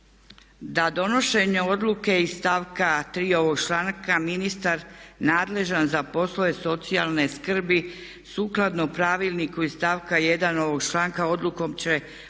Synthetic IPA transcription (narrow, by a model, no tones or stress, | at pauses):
d̪ad̪o̞no̞ʃe̞ɲeo̞d̪lˠuke̞ist̪aːʋkat̪ɾiːo̞ʋo̞ɡt͡ʃlaŋkaminist̪aɾnaːd̪le̞ʒanzapo̞sloe̞so̞t̪sialne̞skr̩bi | suːklˠad̪nopɾaːʋilˠnikuist̪aːʋkaje̞d̪ano̞ʋo̞ɡt͡ʃlˠaːŋkao̞d̪luko̞mt͡ɕe̞